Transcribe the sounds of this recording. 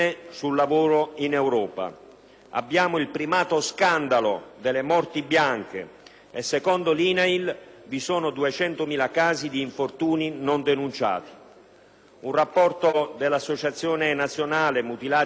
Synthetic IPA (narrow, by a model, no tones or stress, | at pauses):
esulːavoːɾoinɛwɾɔːpa̰ | a̰bːjaːmoilpɾimaːt̪oskand̪alo̰d̪elemɔrt̪ibjaŋk̟ḛː | sːekɔnd̪oliːnailvisɔːnod̪uet͡ʃɛnt̪omiːlakaːzid̪iːɱfort̪uːninond̪enunt͡ʃa̰ːt̪i̥ | unrapːɔrt̪od̪elːasːot͡ʃat̪sːjɔːnenat̪sːjonaːlemut̪ilaː